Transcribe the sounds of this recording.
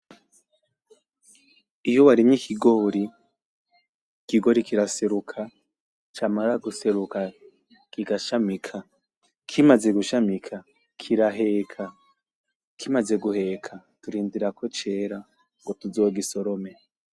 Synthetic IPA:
ijowaɾimɲikʰiɡo̞ɾi | kiɡo̞ɾikiɾaseɾukʰa | t͡ʃamaɾaɡuse̞ɾuka | kiɡaʃamikʰa | kʰimaze̞ɡuʃamikʰa | kʰiɾaɦe̞kʰa | kʰimaze̞ɡuhe̞kʰa | tuɾiːndiɾakʰot͡ʃe̞ːɾa | ŋɡotuzoɡiso̞ɾome

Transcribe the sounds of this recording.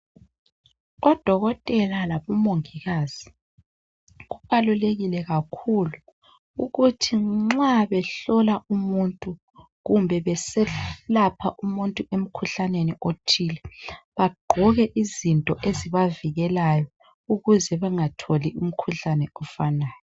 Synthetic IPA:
ɔd̥ʱɔɣɔtʼɛlalaβɔmoŋiɣaz̥i | ɣuɣaluleɣilɛɣakʰulu | uɣutʰiŋ͡ǁaβɛɬɔlaumuntʼu | ɣumbʱɛβɛsɛlapʰa̰ʔumuntʼuem̩kʰuɬaneniʔotʰilɛβaɡ͡ǃʱɔɣɛʔizintʼɔʔeziβaviɣɛlajɔ | uɣuzɛβɛŋatʰolium̩kʰuɬanɛɔfanaːjɔ

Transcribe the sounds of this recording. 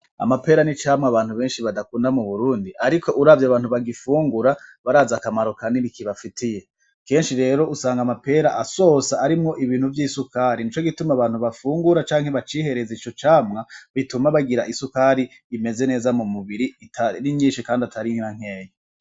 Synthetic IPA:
a̰mape̞ːɾanit͡ʃaːmŋaβaːn̥huβe̞ːnʃiβadakuːndamuβuɾuːndiʔaɾikʰo̞ʔuɾaːvjaβaːn̥huβaɡifuːŋɡuɾaβaɾaːzakamaɾo̞kaniβikiβafitʰije̞ | ke̞ːnʃiɾe̞ːɾo̞ʔusaːŋɡamape̞ːɾaʔaso̞ːsaːɾimŋo̞ʔiβiːn̥huvjiːsukaɾinit͡ʃo̞ɡitumaβaːnhuβafuːŋɡuɾat͡ʃaːŋhe̞βat͡ʃiːhe̞ɾe̞zit͡ʃo̞t͡ʃaːmŋaβitumaβaɡiɾaʔisukaɾiː | me̞ze̞ne̞ːzamumuβiɾiitʰainiɲiːnʃikaːndiatʰaɾiŋiɾaŋ̥e̞ːje

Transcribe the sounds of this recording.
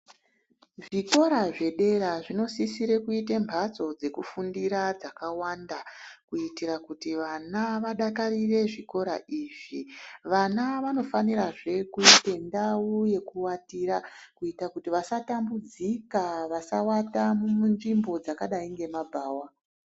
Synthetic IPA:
ʐiko̞ɾaʐe̞ɗe̞ɾaʐino̞sisiɾekuitembʱat͡so̞d͡ze̞kufundiɾad͡zakawandakuitiɾakutiʋanaʋaɗakarire̞ʐiko̞ɾa̰ʔiːʐiʋanaʋano̞faniɾaʐe̞kuite̞ndawuje̞kuwatiɾakuitakutiʋasatambud͡zikaʋasawatamumunʐimbo̞d͡zakaɗaiŋɡe̞mabʱaːwa

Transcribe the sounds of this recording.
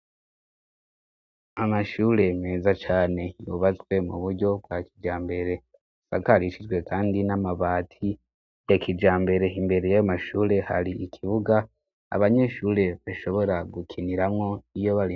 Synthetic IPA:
amaʃuːɾe̞me̞ːzat͡ʃaːne̞juβat͡swe̞mṵβuɾɟo̞b̚ɡaːkid͡ʒaːmbe̞ɾe̞ | sa̰kaɾiʃid͡ʒɡwe̞kʰaːndinamaβaːtʰi | jakʰid͡ʒaːmbe̞ɾe̞imbe̞ɾe̞jajomaʃuːɾe̞ha̰ɾiikʰiβuɡa | a̰βaɲe̞ʃuːɾe̞βaʃo̞βo̞ɾaɡukʰiniɾamŋo̞ijo̞βaɾi

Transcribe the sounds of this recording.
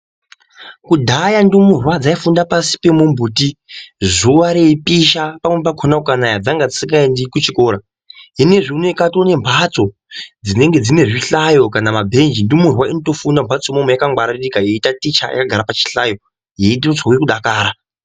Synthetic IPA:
kudʱajandumurwad͡zaifundapasi̥pe̞mumbuːtiʐuʋaɾeipiʃapamwepakʰonakukanajad͡zaŋɡad͡zisikɡaendikut͡ʃiko̞ɾa | ɦine̞ʐinoikatone̞mbʰʱat͡so̞ | d͡zine̞ŋɡe̞d͡zine̞ʐiɬajo̞kanamabʱe̞nd͡ʒindumurwaino̞to̞fundambʰʱat͡somomejakaŋɡwaɾarikajeitatit͡ʃa̰ja̰kaɡʱaɾapat͡ʃi̥ɬajo̞ | jeiɗiot͡sauikuɗakaːɾa

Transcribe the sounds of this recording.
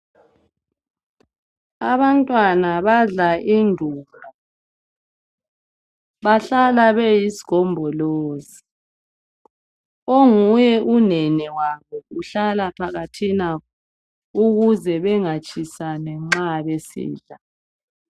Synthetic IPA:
aβantʼwanaβaɮaʔindʱuːma | βaɬalaβejisi̥ɣ̥ʱɔmbʱɔloːzi | oŋujɛʔunɛnɛwaβɔuɬalapʰaɣatʰinakɔ | uɣuzɛβɛŋat͡ʃʼisanɛŋ͡ǁaβesḭːɮa

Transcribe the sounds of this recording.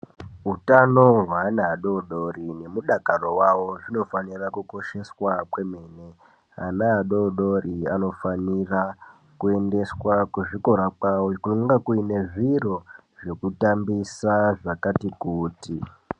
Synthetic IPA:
ɦutano̞ɦwaːnaːɗo̞ɗo̞rine̞muɗakaro̞wawo̞ʐino̞fanirakuko̞ʃe̞swakwe̞me̞ne̞ | a̰naːɗoɗo̞riano̞fanira | kue̞nde̞swakuʐiko̞ɾakwawokunuŋɡakuine̞ʐiro̞ | ʐe̞kutambisaʐakatikuːti

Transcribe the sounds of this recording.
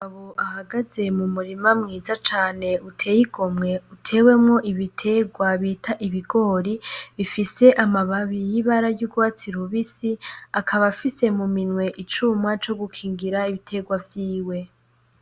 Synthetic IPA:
aβoʔahaɡaze̞mumuɾimamŋiːzat͡ʃaːne̞utʰe̞ːjiɡomŋe̞utʰe̞ːwe̞mŋo̞ʔiβitʰe̞ɡwaβiːtʰaʔiβiɡo̞ːɾiβifise̞ʔamaβaβijiβaɾajuɡwat͡siɾuβisiakʰaβafise̞muminwe̞ʔit͡ʃumŋat͡ʃo̞ɡukʰiːŋɡiɾaiβitʰe̞ɡwavjiːwe̞

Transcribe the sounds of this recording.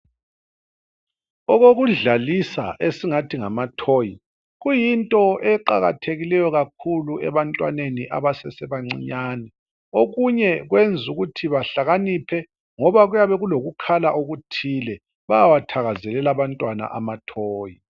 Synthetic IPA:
ɔɣoɣuɮalisa̰ʔesiŋatʰiŋamatʰoji | ɣujintʼɔʔɛǃa̰ɣa̰tʰeɣilɛjɔɣakʰuluɛβantʼwa̰neniʔa̰βasɛsɛβaŋ͡ǀiɲaːnɛ | oɣuɲɛɣwend͡zʱuɣutʰiβaɬaɣanipʰɛ | ŋɔβaɣujaβɛɣuloɣukʰalaʔoɣutʰilɛ | βajawatʰaɣazɛlɛlaβantʼwana̰ʔa̰matʰoːji

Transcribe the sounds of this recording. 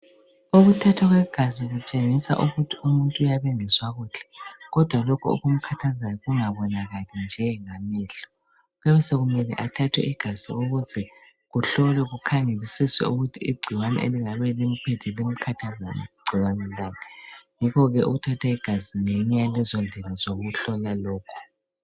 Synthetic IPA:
oɣutʰatʰaɣwɛɡ̥ʱaziɣut͡ʃʼeŋisa̰ʔuɣutʰiumuntʼuːjaβeŋiswaɣuːɬɛ̥ɣɔd̥ʱwalokʰuṵɣum̩kʰatʰazajɔɣuŋaβɔnaɣalɛnd͡ʒʱɛŋamɛːɬɔ̥ | ɣɛβɛseɣumɛlɛ̰ʔatʰatʰwɛ̰ʔiɡ̥ʱaz̥iɣoɣuzɛ | ɣuɬɔlɛɣukʰaŋelisiswɛ̰uɣutʰiiɡ͡ǀʱiwanɛ̰ʔḛliŋaβɛlem̩pʰɛtʰɛlem̩kʰatʰaza̰nɛ̰ɡ͡ǀʱiwanɛlaːnʰɛŋikɔɣɛuɣutʰatʰaiɡ̥ʱaziŋɛɲajalɛzɔndʱɛlazoɣuɬɔlalɔːkʰɔ̥

